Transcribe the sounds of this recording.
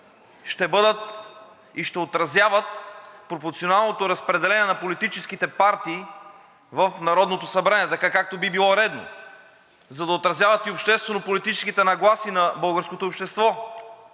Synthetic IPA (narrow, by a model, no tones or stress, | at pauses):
ʃt̪ɛbɤd̪ət̪ | iʃt̪ɛot̪ɾɐzʲjavət̪pɾopoɾt̪sionalˠnot̪oɾɐspɾɛd̪ɛlɛniɛnɐpolit̪it͡ʃɛskit̪ɛpaɾt̪iː | vəfnɐɾɔd̪not̪osɐbɾaniɛt̪ɐkakak̚t̪obibilˠɔɾɛd̪no̰ | zɐd̪ɐot̪ɾɐzʲjavɐt̪iopʃt̪ɛst̪vɛnopolit̪it͡ʃɛ̥skit̪ɛnɐɡlˠasinɐbɤlˠɡəɾskot̪oːpʃt̪ɛst̪vɔ